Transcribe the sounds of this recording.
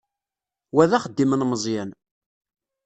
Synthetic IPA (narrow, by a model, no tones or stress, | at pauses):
wæðæχəd̪ːimənməzˤjæn